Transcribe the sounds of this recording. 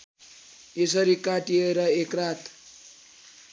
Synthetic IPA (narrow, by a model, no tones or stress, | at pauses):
esʌɾikaʈieɾʌekrat̪